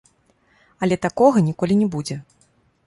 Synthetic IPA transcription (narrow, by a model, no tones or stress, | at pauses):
ɐlʲɛt̪akɔɣɐnʲikɔlʲinʲɛbud͡zʲɛ